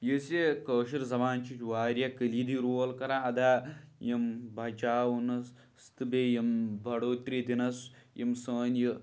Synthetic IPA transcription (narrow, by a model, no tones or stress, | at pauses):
jisekɐːʃiɾzɐʋaːnt͡ʃit͡ʃʋaːɾjɐkəlid̪iɾuɐlkɐɾaɐd̪aːjɐmbʱɐt͡ʃaːwunɐ | st̪ɨbejɐmbʱɐɽoːt̪ɾid̪inɐsjemsɐːnjɐ